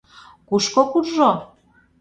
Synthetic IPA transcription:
kuʃkokurʒo

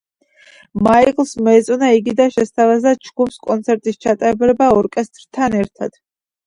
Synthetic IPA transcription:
maiqlˠsmɔɛt̪sʼwnaiɡid̪aʃɛst̪ʰavazat͡ʃʰɡupskʼɔnt̪sʰɛɾt̪ʼist͡ʃʰat̪ʼaɾɛbɾɛbaɔɾkʼɛst̪ʼɾt̪ʰanɛɾt̪ʰa̰d̪̥

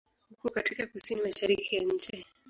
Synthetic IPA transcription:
hukukatikakusinimaʃaɾikijaɲ̩t͡ʃɛ

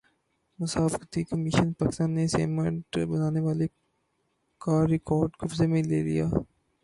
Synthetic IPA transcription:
mʊsaːfkət̪ikəmiʃənpaːkɪ̥st̪aːnːesḛːməɳʈbɐnaːneʋaːle | kaːɾɪkɔːɾɖkʊfzemẽlḛːlḭjaː

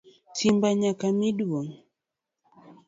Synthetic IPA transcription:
timbaɲakamiɗwɔn

